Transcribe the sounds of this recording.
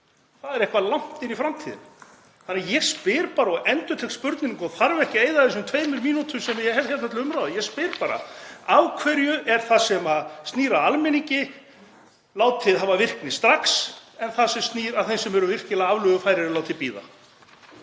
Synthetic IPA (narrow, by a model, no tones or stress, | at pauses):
θaðɛɾɛjhkvalawm̥t̪ɪnifɾamt̪ʰiðɪ̰n | θanɪajɛɣspɪɾpaːɾaɔɣɛnt̪ʏɾt̪ʰɛkt̪spʏɾt̪nɪnŋkɔθaɾvɛhcɪeːjðaθɛs̬ʏmt̪ʰveːjmʏɾmiːnut̪ʰʏmsɛmjɛɦɛlt̪çalt̪mɛt̪ɪʏmɾawðɪjɛspɪɾpaːɾa̰avkʰvɛɾjʏʔɛɾ̥θasɛmaðst̪niːɾaalmɪniɲcɪ | laːwt̪ʰɪðɦavavɪr̥knɪst̪ɾaksɛnθaðsɛmst̪niːɾaðθejnsɛmɛɾʏvɪr̥cɪlaavlʏɣʏfaːjɾɪɾɪlaːwt̪ʰɪlpiːða̰